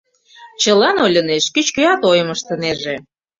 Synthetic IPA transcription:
t͡ɕəlɑnolʲə̆neʃkyt͡ɕkøɑt̪ojə̆məʃt̪ə̆neʒe

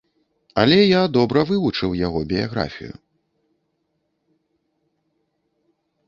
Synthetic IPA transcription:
ɐlʲɛjad̪ɔbɾɐvɨvut͡ʂɨwjaɣɔbʲijaɣɾa̰fʲḭjṵ

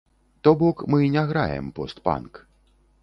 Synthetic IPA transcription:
t̪ɔbɔkmɨnʲaɣɾa̰jɛ̰mpɔst̪pa̰nk

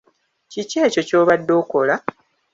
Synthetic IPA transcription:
cice̞ːco̞co̞ːβadːo̞ːko̞la

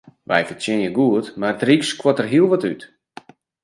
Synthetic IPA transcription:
ʋɛ̰jfərtjɪnjəɡuətmartrikskwɔtərɦiəlˠʋɔtyt

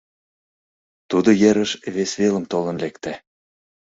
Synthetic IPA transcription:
t̪ud̪ojeɾəʃβesβelə̆mt̪olɤ̆nlekt̪æ

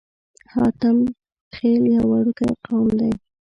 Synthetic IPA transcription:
hɑt̪am | xeljɑwaɽukajqawmd̪aj

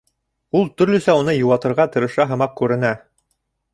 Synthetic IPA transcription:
ulˠt̪ɵ̆ɾlɵ̆sæunɤjŭwɑt̪ɤ̆ɾʁɑt̪ɤ̆ɾɤ̆ʃɑɦɤ̆mɑq̚kʉɾɘ̆næ

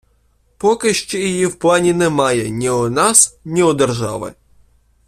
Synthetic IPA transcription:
pɔkɪʃt͡ʃɛjijiwplˠɑnʲinɛmɑjɛnʲiɔnɑsnʲiɔd̪ɛrʒɑ̰ʋɪ̰

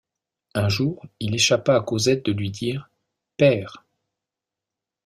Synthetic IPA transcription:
ɛ̃ʒuːʁileʃapaːkozɛt̪̚d̪əlɥid̪iːʁ | pɛːʁ

